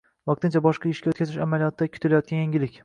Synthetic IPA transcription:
vɑq̚t̪ɪnt͡ʃʰabɒʃqɑɪʃkʲaot̪̚ʲkʰʲazɪʃa̰malijɒt̪ʰɪd̪akʲʰʊ̥t̪ʰɪlajɒt̪̚kʲanjaŋʲɪlɪkʲ

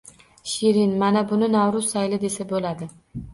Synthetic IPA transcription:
ʃiɾinmanabʊnɪnawɾʊsːajlɪd̪e̞sabolad̪ɪ

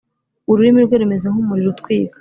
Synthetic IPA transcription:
uɾuɾimiɾɡweɾume̞zaɦumuɾiɾutkwiːka

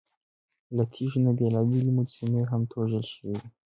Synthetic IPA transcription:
lat̪ʰiʒunabelɑbilimud͡ʒsimeɦamt̪ʰoʒəlʃəwidi

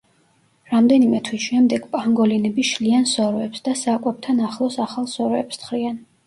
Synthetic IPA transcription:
ɾamd̪ɛnimɛt̪ʰwisʃɛmd̪ɛɡ̥pʼaŋɡɔlinɛbiʃliansɔɾɔɛpsd̪asaːkʼwɛp̚t̪ʰanaχlˠɔsaχalˠsɔɾɔɛpst̪ʰχɾian

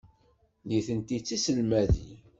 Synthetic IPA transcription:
liθənt̪it͡sːisəlmæðḭ

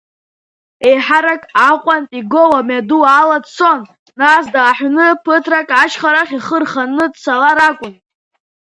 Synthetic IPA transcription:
e̞jħaɾakʼaqʷʼantʼiɡowamadualadt͡sʰo̞nː | asdaːħʷnɨpʰɨtʰrakʼaʃχaɾaχʲiχərχanɨdsalaɾakʷʼʊn

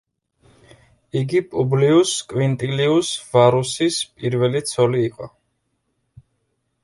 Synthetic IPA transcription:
iɡipʼubliuskʼwint̪ʼiliusvaɾusispʼiɾvɛlit̪sʰɔliːqʼɔ

